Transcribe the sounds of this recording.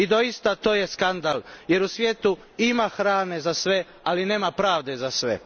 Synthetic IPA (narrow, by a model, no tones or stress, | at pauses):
id̪o̞ist̪at̪o̞ːje̞skand̪alje̞ɾusʋʲjeːt̪u | imaxɾaːne̞zasʋe̞ | aline̞ːmapɾaːʋd̪e̞zasʋḛ